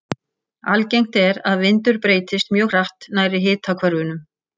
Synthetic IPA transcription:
alcejŋ̥t̪ɛɾaðvɪnt̪ʏɾpɾeːjt̪ɪst̪mjœːɣr̥aht̪naːjɾɪɦɪːt̪ʰakʰvaɾʏnʏm

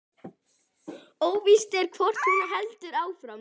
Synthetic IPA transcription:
oːwvist̪ɛɾ̥kʰvɔr̥t̪hunɪɦɛlt̪ʏɾaːwfɾa

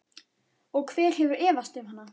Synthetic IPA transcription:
ɔɣkʰvɛːɾ̥hɛvʏɾɛːvast̪ʏvhanːa

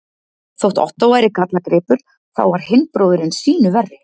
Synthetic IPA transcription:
θowht̪ɔ̰ht̪awaːjɾɪkat̪lakɾɪːpʏɾ̥ | θa̰wvaɾ̥hɪnpɾowðɪɾɪnsiːnʏvɛrːɪ

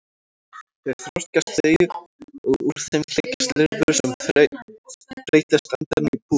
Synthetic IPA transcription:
θeɾ̥θɾɔst̪cast̪eːjʏɾɔɣuɾ̥θemlecḁst̪lɪɾvʏɾsɛm | t̪ɾejt̪lɛst̪ant̪aɾnɪipʰu

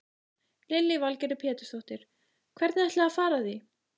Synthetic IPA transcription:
lɪlːɪvalcɛɾʏpʰjɛːt̪ʏ̥sθowht̪ɪɾ̥ | kʰvɛɾt̪nɛht̪lɛafaːɾaθi

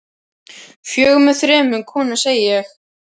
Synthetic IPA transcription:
fjœːɣmʏθɾɛːmʏnkʰɔːnaseːjɪjɛx

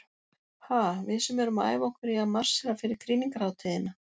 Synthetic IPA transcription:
haːvɪðsʏmɛɾʏmaa̰ːjvɔhkvɪɾiaðmar̥sɛɾafɪɾɪɾ̥kʰɾiːniŋkaɾaːwt̪ʰɪðɪna

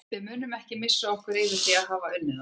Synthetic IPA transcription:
vɪðmʏːnʏmɛhcɪmɪsːaɔhkvʏɾɪːvɪ̥θiaðɦaːvaʏnːʏn

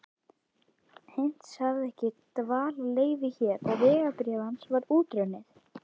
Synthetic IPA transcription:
hejn̥t̪shaɣðɛhcɪt̪vaːlleːjvɪçɛːɾɔɣvɛːɣapɾjɛðansvaɾuːcɾœnːɪθ

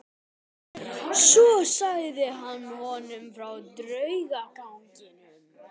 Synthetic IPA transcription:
ssɔsaɣðɪɦanːhɔnʏmfɾawt̪ɾœɥɣakawŋcɪn

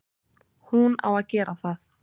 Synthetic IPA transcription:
huna̰waðcɛːɾaθað

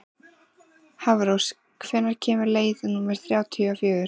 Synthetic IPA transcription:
havɾows | kʰvɛnːaɾ̥cʰɛːmʏɾleːjðʏnumɛɾ̥θɾjaːwt̪ʰiafjœːɣʏɾ̥

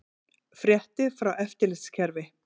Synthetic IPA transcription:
fɾjɛht̪ɪfɾawɛft̪ɪɾlɪscʰɛɾvɪ

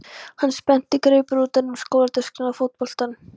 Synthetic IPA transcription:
hanːspɛn̥t̪ɪkɾeɥpʏɾuːt̪anʏmskowðaɾt̪ʏskɪnafot̪̚pɔl̥t̪an

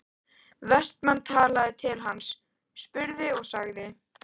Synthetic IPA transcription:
vɛst̪manːt̪ʰaːlaðɪt̪ʰɪlɦansː | pʏɾðɪɔɣsaɣðɪ

